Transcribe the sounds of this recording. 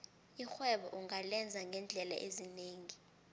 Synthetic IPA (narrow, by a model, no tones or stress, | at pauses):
ixwɛɓɔ̰ʔuŋalɛnd͡zʱaŋɡʱɛnd͡ɮʱɛla̰ʔezineːŋi